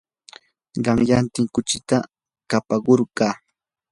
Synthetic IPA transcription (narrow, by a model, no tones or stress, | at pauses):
ɢɑŋjant̪ɪŋkʊt͡ʃɪt̪a | kapaɢoɾɢɑː